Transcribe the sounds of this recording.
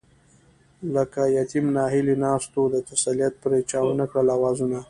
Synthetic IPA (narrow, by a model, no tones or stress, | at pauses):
ləkajat̪imnɑɦɪlinɑst̪od̪ət̪asalijat̪̚pɾet͡ʃɑwnakɽəlawɑzuna